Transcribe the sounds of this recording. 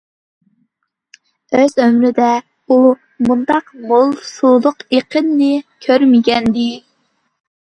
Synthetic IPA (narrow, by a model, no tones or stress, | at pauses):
øzømɾɪd̪ɛ | u | mund̪ɑqmolˠsulˠʊqeqʰənːɪkʲʰøɾmɪɡʲɛnd̪ɪ